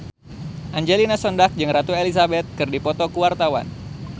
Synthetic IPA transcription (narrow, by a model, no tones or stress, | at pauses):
ʔaɲd͡ʒelinasɔndak̚d͡ʒɨŋrat̪uelisabɛt̪̚kɨrdipɔt̪ɔkuwart̪awa̰n